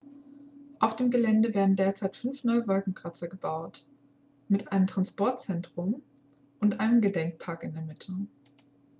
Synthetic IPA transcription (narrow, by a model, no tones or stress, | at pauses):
ʔaʊfd̥eːmɡəlɛndəveːɐdn̩deːɐt͡saɪtfʏnfnɔʏəvɔlkŋ̩kʁ̥at͡sɐɡəbaʊt | mɪtʔaɪnəmtʁ̥anspɔɐt̚t͡sɛntʁ̥ʊm | ʔʊntʔaɪnəmɡədɛŋk̚pʰaɐkɪndɛɐmɪtʰə